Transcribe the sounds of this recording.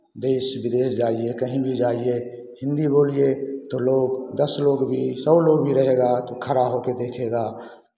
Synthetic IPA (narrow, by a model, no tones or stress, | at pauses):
d̪eːsbɪd̪eːsd͡ʒaːiekəɦĩbʱid͡ʒaːie | hɪ̃nd̪iboːliet̪oloːɡd̪əsloːɡbʱisəbloːɡbʱiɾəɦeːɡat̪okʰəɾaɦoked̪eːkʰeːɡaː